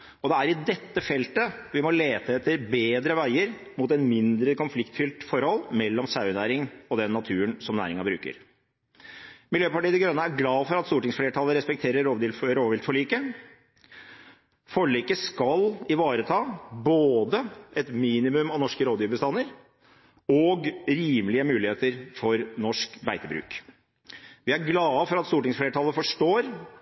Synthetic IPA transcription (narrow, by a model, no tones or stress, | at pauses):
ɔd̪ɛæɾɪd̪ɛt̪ːəfɛlt̪əʋɪmɔleːt̪əɛt̪ʰːəɾbeːd̪ɾəʋæɪəɾmuːt̪ɛnmɪnd̪ɾəkɔnflɪkt̪fʏlt̪fɔɾhɔlːmɛlːɔmsɑʉnæːɾɪŋɔd̪ɛnːɑt̪ʰʉːənsɔmnæ̰ːɾɪŋɑbɾʉ̰ːkə̰ɾ | mɪljøːpɑʈiːd̪ɛɡɾœnːəæɾɡlɑːfɔɾɑt̪st̪uːʈɪŋsfleːʈʰɑləɾɛspɛkt̪ʰeːɾəɾoːʋd̪ɪlɾoːʋʋɪlt̪fɔɭiːkə | fɔɭikəskɑlɪʋɑːɾət̪ʰɑːboːd̪əʔɛt̪miːnɪmʉmɑʋnɔʂkəɾoːd̪jyːʋbəst̪ɑnːəɾ | ɔɡɾiːməlɪəmʉːlɪheːt̪əɾfɔɾnɔʂkbæɪt̪əbɾʉ̰ːk | ʋɪæɾɡlɑːfɔɾɑt̪st̪uːʈɪŋsfleːʈʰɑlˠəfɔʂʈoːɾ